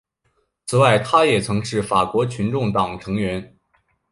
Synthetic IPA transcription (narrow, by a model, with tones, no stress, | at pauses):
t͡sʰɹ̩˨˩wa˥˩ɪt̪ʰa˥jɛ˨˩t͡sʰɤ˧˥ŋʂɻ̩˥˩fa˨˩kwɔ˧˥t͡ɕʰy˧˥nʈ͡ʂʊ˥˩ŋt̪ɑ˨˩ŋʈ͡ʂʰɤ˧˥ŋɥɛ˧˥n